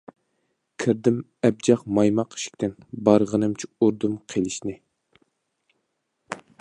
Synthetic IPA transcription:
kʲʰɪɾd̪ɪm | ɛb̚d͡ʒɑχmɑjmɑqi̥ʃi̥k̚ʲt̪ʰɪnbɑɾʁənɨmt͡ʃʰiuɾd̪umqʰelɪʃnɪ

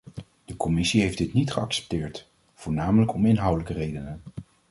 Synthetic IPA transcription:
d̥əkɔmɪsiɦejfdɪtnitχəɑksɛ̥p̚tɪːɹt | v̥ʊːɹnaːmələkɔmɪnɦʌwdələkərejdənən

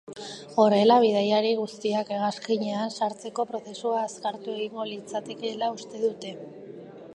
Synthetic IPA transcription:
ɣo̞re̞laβ̞ið̞ajaɾiɣust̪iake̞ɣaskiɲe̞ansaɾt͡se̞ko̞pɾo̞se̞suaeskaɾt̪ue̞ɣ̞iŋɡo̞lit͡sat̪e̞ke̞laust̪e̞ðut̪e̞

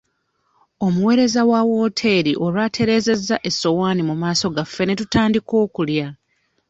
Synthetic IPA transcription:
o̞muwe̞ːɾe̞zawawo̞ːtʰe̞ɾiʔo̞ɾwaːtʰe̞ɾe̞ːze̞zːaʔe̞so̞waːnimumaːso̞ɡafːe̞ne̞tutaːndiko̞ːkulja

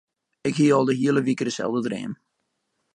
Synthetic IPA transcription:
ɪkɦiəɔlˠdəɦiələʋikədəsɛ̰lˠvdədrɪ̰ːm

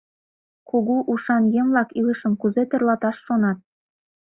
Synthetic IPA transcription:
kuɣuʔuʃɑnjə̆mlɑkiləʃəmkuzet̪ɤ̆rlɑt̪ɑʃːonɑt̪̚

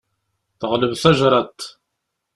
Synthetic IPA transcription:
θʁələvθɑʒɾˤɑt̪

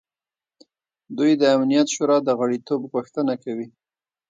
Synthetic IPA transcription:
d̪ujd̪əamnijat̪ʃuɾɑd̪əɣaɽit̪obɣuxt̪ənakawi

